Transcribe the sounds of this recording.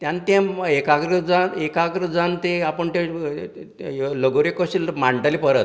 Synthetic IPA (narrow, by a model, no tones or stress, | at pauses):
t̪jãnt̪ãekakɾəd͡zanekakɾəd͡zant̪eapəɳt̪e | ləɡoɾekəɕilmaɳʈəlipəɾət̪